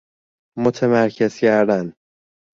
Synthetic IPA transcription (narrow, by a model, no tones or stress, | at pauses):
mot̪ʰemæɾcʰe̞z̥cæɾd̪æn